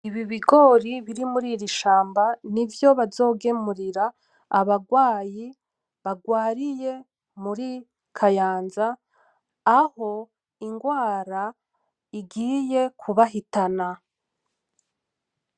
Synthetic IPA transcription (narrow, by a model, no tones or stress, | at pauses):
iβiβiɡo̞ɾiβiɾimuɾiɾiʃaːmbanivjo̞βazo̞ːɡe̞muɾiɾa | a̰βaɡwaːji | βaɡwaːɾije̞ | muɾi | kʰajaːnzaː | ho̞ | iŋɡwaːɾa | iɡiːje̞kʰuβaɦitana